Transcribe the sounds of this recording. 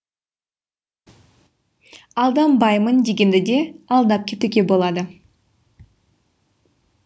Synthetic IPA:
ɑlˠd̪ɑmbɑjmənd̪eɡʲe̞nd̪ɪd̪e̞ɑlˠd̪ɑp̚kʲʰet̪ykʲebo̞lˠɑd̪ə

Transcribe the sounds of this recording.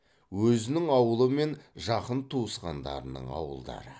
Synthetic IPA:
wɵzɪnɪŋɑwəlˠəme̞nʒɑqənt̪ʰuəsqɑnd̪ɑ̰ɾənə̰ɴɑ̰wə̰lˠd̪ɑ̰ɾə

